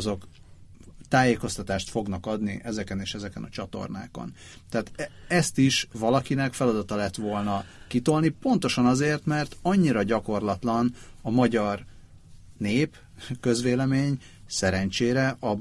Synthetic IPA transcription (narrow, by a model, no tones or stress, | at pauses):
zo̞k | t̪aːjeːko̞st̪ɒt̪aːʃt̪fo̞ɡnɒkɒd̪niʔɛzɛkɛneːʃɛzɛkɛnɒt͡ʃɒt̪o̞̰rna̰ːko̞̰n | t̪ɛːt̪ɛst̪iʃʋɒlɒkinɛkfɛlɒd̪ɒt̪ɒlɛt̪ʋo̞lnɒkit̪olnipo̞nt̪o̞ʃɒnɒzeːrt̪mɛrt̪ɒɲːiɾɒɟɒko̞rlɒt̪lɒnɒmɒɟɒr | neːp | køzʋeːlɛmeːɲ | sɛɾɛnt͡ʃeːɾɛʔɒ